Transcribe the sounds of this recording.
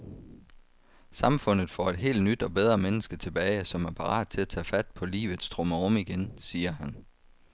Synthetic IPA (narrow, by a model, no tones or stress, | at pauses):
sɑ̈mfɔ̽n̰ð̞̩ˠfɒ̰ːe̝d̥ɦe̝̰ːld̥nyd̥ɒ̽b̥eð̞ˠʁɐmenəsɡ̥ət͡sʰe̝b̥ɛːɪsɒ̽mæɐpʰɑ̈ʁɑ̰̈ːd̥̚t͡sʰe̝læt͡sʰɛ̰ːfæd̥̚pʰɒ̽lḭːʋð̩ˠsd̥ʁɔ̽məʁɔ̽miɡ̥ensiːɐhæn